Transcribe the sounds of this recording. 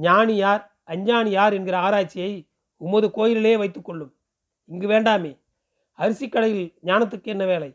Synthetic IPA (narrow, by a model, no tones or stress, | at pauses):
ɲaːnɪjaːɾ | ɐɲd͡ʒaːnɪjaːɾɛnɡɪɾɐaːɾaːʈ̚t͡ʃːɪjɐɪ | ʊmːɐðɯkoːjɪlɪleːʋɐɪt̪ːɯkːɔɭːɯm | ɪŋɡɯʋeːɳɖaːmeː | ɐɾɯsɪkːɐɽɐjɪlɲaːnɐt̪̬ːɯkːɯɛnːɐʋeːlɐɪ